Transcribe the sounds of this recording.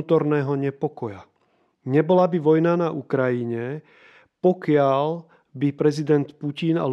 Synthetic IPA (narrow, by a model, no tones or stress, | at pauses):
t̪ɔɾnɛːɦɔɲɛpɔkɔja | ɲɛbɔlabiʋɔjnanaʔukɾajiɲɛ | pɔkɪal | bipɾɛzid̪ɛnt̪pucina̰l